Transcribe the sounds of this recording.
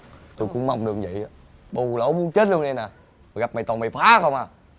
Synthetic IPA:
t̪o˧jkʊ̰˧˥ŋ͡mma˨˧wŋ͡mɗɨ˨˩ək̚zə̰˧˨ja˨˦ | ɓo˧˩la˨˦mu˨˧ənt͡ɕe˦˥t̚lu˧ə˧nɗe˧jnaː˨˩ | a˨˩ɣa˨˩p̚ma˨˩jt̪ɔː˨˩ma˨˩jfaː˨˦˧xə˧wŋ͡mʔaː˨˩

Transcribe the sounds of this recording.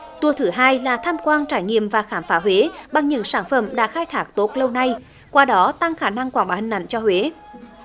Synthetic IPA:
t̪u˨˩ət̪ʰɨ˨˦ɦaː˧jlaː˨˩t̪ʰaː˧mkwaː˧nt͡ɕaː˧˩jŋḭ˧˨əmvaː˨˩xaː˧˩mfaː˨˦ɦwe˨˦ɓa˨˩ŋɲɨ̰˧˥ŋsaː˧˩nfə̰˧˩mɗa̰ː˧˥xaː˧jt̪ʰaː˨˦˥k̚t̪o˨˦˥t̚lə˧wna˧j | kwaː˧ɗɔ˨˦t̪a˧ŋxaː˧˩na˧ŋkwaː˧˩ŋɓaː˨˩hi˨˩ŋ̟ʔa̰˧˨jŋ̟t͡ɕɔ˧hwe˨˦

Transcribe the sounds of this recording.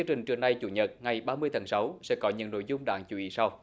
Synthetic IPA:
i˧ət͡ɕï˨˩ŋ̟t͡ɕɨ˨˩əŋna˨˩jt͡ɕṵ˧˩˦ɲə˨˩t̚ŋa˨˩jɓaː˧mɨ˧əjt̪ʰa˨˦ŋsa˨˦wsɛ̰˧˥kɔ˨˦ɲɨ̰˧˥ŋno̰˧˨jzʊ˧ŋ͡mɗa̰ː˧˩ŋt͡ɕu˧˩ʔi˨˦sa˧w

